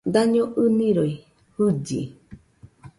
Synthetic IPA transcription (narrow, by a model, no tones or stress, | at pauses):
d̪aɲõʔɨnĩɾoi | hɨd͡ʒḭ